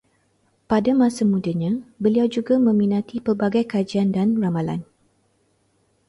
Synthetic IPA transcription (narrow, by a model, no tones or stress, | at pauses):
padamãsamudaɲãbəliawd͡ʒuɡamə̃mĩnãt̪ipərbaɡajkad͡ʒiandanramala̰n